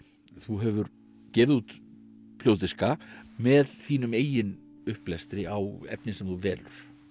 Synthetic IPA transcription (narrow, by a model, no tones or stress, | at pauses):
θuɦɛvʏɾ | cɛːvɪðut̪ | pʰl̥owt̪ɪskamɛðθiːnʏmeːjɪn | ʏhplɛst̪ɾɪawɛ̰pnɪnsɛmθuvɛːlʏɾ̥